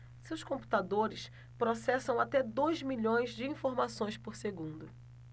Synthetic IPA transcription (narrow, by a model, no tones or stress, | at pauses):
sewskõmpu̥t̪ad̪oɾɪs | pɾosɛsɐ̃w̃at̪ɛd̪ojzmiʎõj̃zd͡ʒɪĩfoɾmasõj̃spoɾseɡũnd̪ʊ